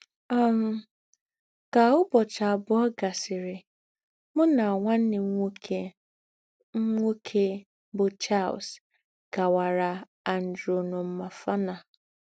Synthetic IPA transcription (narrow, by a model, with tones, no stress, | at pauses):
a˦m̩˦ | ka˨ʊ˦bɔ˨t͡ʃa˨a˨bʊ˦ɔ˦ɡa˨sɪ˨ɾɪ˨ | mʊ˦na˨a˨ŋʷa˦n̩˦nɪ˨˦ŋʷ˦ke˦ | ŋ̩˦ŋʷo˦kʰe˦ | bʊ˨t͡ʃa˦˨l̰s | ɡ̥a˨wa˨ɾa˨ | a˨n̩˨dɾo˨nʊ˨m̩˦ma˨fa˦na˨